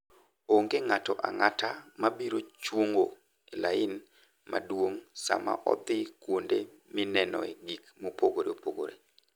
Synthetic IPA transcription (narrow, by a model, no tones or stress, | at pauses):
oŋɡeŋatɔʔaŋatamabiɾot͡ʃwoŋɡo | elaɪn | ma̰dwoŋsa̰ma̰ʔɔ̰d̪ɪkwonde | mɪnɛnɔ̰eɡikmopoɡoɾeopoɡo̰ɾḛ